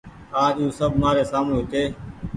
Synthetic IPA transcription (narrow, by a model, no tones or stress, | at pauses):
aːd͡ʒuːsəbʱmaːɾeːsaːmleɦʊt̪eː